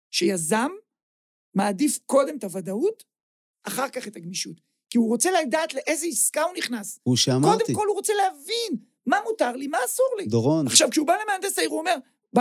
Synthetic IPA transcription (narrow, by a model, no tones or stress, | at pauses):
ʃe̞jazamː | aːdifko̞de̞mt̪avadaut | aχaʁkaχe̞taɡmiʃut | kiuʁo̞t͡se̞ladaːt̪le̞ʔe̞zeiskahuniχnasuʃeamko̞d̪eko̞lhuʁo̞t͡se̞leavin | mamutaʁlimaːsuʁlid̪oʁonaχʃavkʃeubalemeand̪asaiʁuome̞ʁ | b